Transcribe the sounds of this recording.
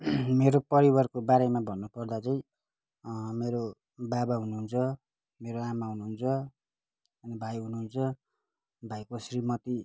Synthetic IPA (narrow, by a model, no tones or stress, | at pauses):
meɾopʌɾibʌrkobaɾemabʱʌnːupʌrd̪at͡sʌj̃ | meɾo | babaɦunuɦunt͡sʰʌ | meɾoamaɦunuɦunt͡sʰʌ | ʌnibʱajɦunuɦunt͡sʰʌ | bʱajkosrimʌt̪i